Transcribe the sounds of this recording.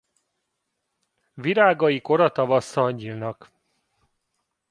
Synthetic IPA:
viɾaːɡɒjiko̞ɾɒt̪ɒvɒsːɒɲːilnɒk

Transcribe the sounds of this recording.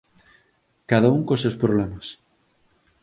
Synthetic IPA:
kaðauŋkosewspɾoβ̞lemas

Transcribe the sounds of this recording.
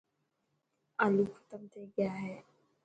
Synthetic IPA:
alukʰɐ̥t̪əmt̪ʰeɡɐjaɦɛː

